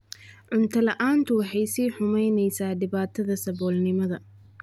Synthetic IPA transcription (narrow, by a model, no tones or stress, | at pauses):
ʕʊnt̪ʰɐlɐʔaːnt̪ʰʊwɑħɑjsiːħʊmɛjnɛjsaːɖɪβaːt̪ʰɐðɐsɐβɔːlnɪmɐðɐ